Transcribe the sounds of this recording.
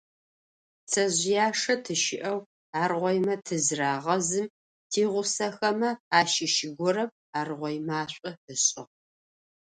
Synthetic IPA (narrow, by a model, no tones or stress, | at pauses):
t͡sʰɐʑjaːʂɐtʰɨʃɪʔɐw | aːrʁʷɔjmɐtʰɨzraːʁɐzɨm | tʰiːʁʷʊsɐxɐmɐaːʃɪʃɪɡʷɔɾɐm | aːrʁʷɔjmaːɕʷʼʊəɕʼɪʁ